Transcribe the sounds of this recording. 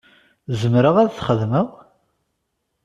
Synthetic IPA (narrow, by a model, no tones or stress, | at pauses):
zəmɾəʁæðθχəðməʁ